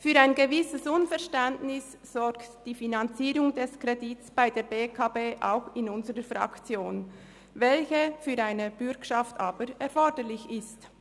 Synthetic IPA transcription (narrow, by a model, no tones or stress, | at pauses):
fyːɾaɪnɡəvɪsəsʊnfɛʁʃtɛndnɪs | z̥ɔɾktd̥iːfinɑnt͡siːɾʊŋdɛskʁedɪtsb̥aɪdeːɾbeːkʰaːbeːʔa̰ʊxɪnʊnzəʁəfʁɑ̰kt͡sjoːn | vɛlçəfyːɾaɪnəb̥ʏɾkʃɑftaːbəɾɛʁfɔɾdəlɪçɪst